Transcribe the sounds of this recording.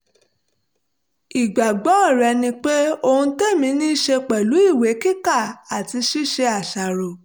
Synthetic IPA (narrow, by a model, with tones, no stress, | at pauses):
i˨ɡ͡ba˨ɡ͡bɔ̃˨˦ɔ˦˨ɾɛ˧nĩ˧k͡pe˦o˧ũ˧te˦˨mĩ˨˦nĩ˦ʃe˧k͡pɛ˨lu˨˦i˦˨we˨˦ki˦ka˦˨a˨ti˧ʃi˦ʃe˧a˨ʃa˨ɾo˨